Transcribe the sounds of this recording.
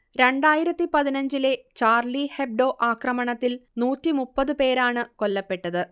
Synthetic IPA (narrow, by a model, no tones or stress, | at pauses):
ɾe̞ɳɖaːjiɾɐt̪ːipɐðinɐɲd͡ʑile̞t͡ɕaːrliheb̚ɖo̞ːʔaːkrɐmɐɳɐt̪ːilnuːtːimupːɐðɨpe̞ːɾaːɳɨko̞lːɐpːe̞ʈːɐðɨ